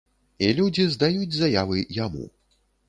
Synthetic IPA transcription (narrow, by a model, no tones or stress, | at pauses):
ilʲud͡zʲizd̪ajud͡zʲzajavɨjamṵ